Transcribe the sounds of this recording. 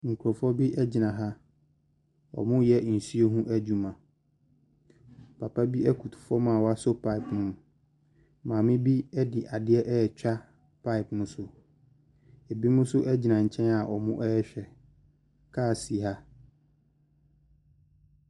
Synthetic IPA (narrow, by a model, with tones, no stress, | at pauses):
ŋ̩˨kʰu˨ɾɔ˨fɔ˦bi˦ʔɛ˦d͡ʑɪ˨nã˨ɦa˦ | ɔ̰˨mʊ̃˦jɛ˦n̩˨si˦o˦ɦũ˦ʔæ˦d͡ʑu˦mã˨ | pʰa˨pʰa˦bi˦ɛ˦kʰu˨tʰu̥˨fɔ˦mãː˨wɔ˦a˦sʊ˦pʰa˦ɪ˨pnʊ̃˦m | mãː˨mɪ̃˦bi˦ɛ˦dɪ˨ʔa˨dɪ˦ɛ˦ʔɛ˦˨t͡ɕᶣa˦ | pʰa˦ɪ˨pnʊ̃˦sʊ˦ | ɛ˨bi˦mʊ̃˦sʊ˦ʔɛ˦d͡ʑi˨nã˨ɲ̩˨t͡ɕʰɛ̃˦na˨ʔɔ˨mʊ̃˦ʔɛ˦ɛ˦ɕᶣɛ˨ | kʰaː˦˨si˨ɦa˦